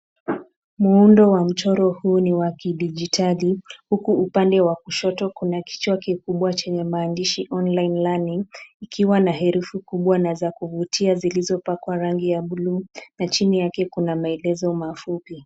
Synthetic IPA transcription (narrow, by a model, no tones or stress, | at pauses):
muundɔwam̩t͡ʃɔɾɔhuːniwakiɗid͡ʒitalihukuːpandɛwakuʃɔtɔkunaki̥t͡ʃwakikuɓwat͡ʃɛɲɛmaːndiʃiʔɔnlainlaniːkʰiwanaɦɛɾufukuɓwanazakuvutʰiazilizɔpakwaɾaŋɡijaɓuluːnat͡ʃinijakɛkunamaɛlɛzɔmafupi